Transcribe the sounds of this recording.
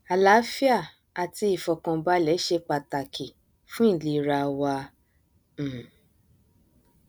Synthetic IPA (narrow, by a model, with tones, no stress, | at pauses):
a˨la˨˦fi˦a˦˨ | a˨ti˧˦i˨fɔ˧kã˧ba˦lɛ˨˦ʃe˧k͡pa˧ta˨kʰi˨ | fũ˦ĩ˦˨li˧ɾa˧wa˧˨